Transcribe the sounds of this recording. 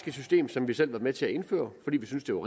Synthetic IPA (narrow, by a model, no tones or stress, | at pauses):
ɡ̥əsysd̥e̝̰ːmsɒ̽mʋisel̰ʋɑ̈dˠmet͡sʰe̝æe̝nfø̰ːɐfɒ̽d̥ḭːʋisynsd̥e̝ʋɑ̈ʁ